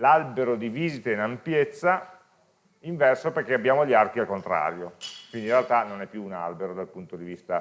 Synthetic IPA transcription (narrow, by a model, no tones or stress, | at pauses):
lalbeɾod̪iviːzit̪einampjet̪sːa | iɱvɛrsoperk̟eabjaːmoʎiark̟ialkont̪ɾa̰ːɾjokwind̪irealt̪anonɛpːjuːna̰lbeɾod̪alpunt̪od̪ivist̪a